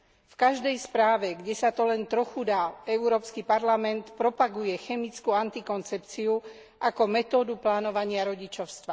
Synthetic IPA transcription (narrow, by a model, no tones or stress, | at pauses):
fkaʒd̪ɛjspɾaːʋɛɡɟɛsat̪ɔlɛnt̪ɾɔxud̪aːɛuɾɔːpskipaɾlamɛnt̪pɾɔpaɡujɛxɛmit͡skuant̪ikɔnt͡sɛpt͡siu | ʔakɔmɛt̪ɔːd̪uplaːnɔʋaɲɪaɾɔɟit͡ʃɔʊst̪ʋa